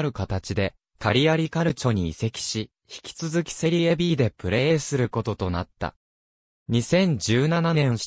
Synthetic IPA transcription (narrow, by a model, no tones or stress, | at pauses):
ɾɯ̟kat̪at͡ɕid̪e̞ | kaɾʲiaɾʲikaɾɯ̟t͡ɕo̞ɲ̟ḭːse̞kʲi̥ɕi | çi̥kʲi̥t͡sɨzɨkʲi̥se̞ɾʲiebʲiːd̪e̞pɯ̟ɾe̞ːsɨɾɯ̟ko̞t̪o̞t̪o̞nat̪ːa̰ | ɲ̟isẽ̞ɲ̟d͡ʑɨːnananẽɰ̃ɕ